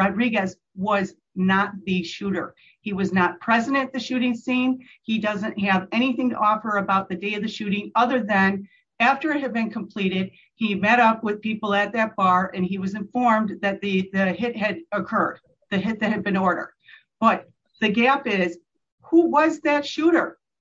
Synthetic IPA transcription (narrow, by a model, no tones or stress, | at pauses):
aɪd̚ɹiɡɨz | wʌz | nət̪̚ðɨʃʉɾə̰˞ | hiwʌznət̚pʰɹ̥ɛzɨɾɨ̃nt̪̚ðɨʃʉɾɪ̃ŋsĩn | idʌzɨ̃ntɦɨvɛɾ̃iθɪ̃ŋtʰə̰ʔɔfə˞ɨbaʊt̪̚ðɨdeɪʌvðɨʃʉɾɪ̃ŋʌðə˞ðɨ̃n | æftə˞ɨt̚ɦɨd̚bɨ̃nkʰm̩pʰl̥iɾɪd̥̚ | imɛɾʌpwɨð̥pipl̩ˠɨt̪̚ðɨt̚b̥ɑɹʔɨ̃niwʌzɨ̃ɱfɔɹmðɨt̪̚ðɨðɨɦɪt̚ɦɨɾəkʰɜ˞d̪̚ | ðɨɦɪt̪̚ðɨt̚hɨd̚bɨ̃nɔɹɾə̰˞d̚ | b̥ʌt̪̚ | ðɨɡæpɪz̥ | huwʌzðɨtʃʉɾə˞